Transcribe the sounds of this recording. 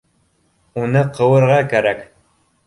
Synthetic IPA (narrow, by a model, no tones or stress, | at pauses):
unɤqɤ̆wɤ̆ɾʁɑkæɾæk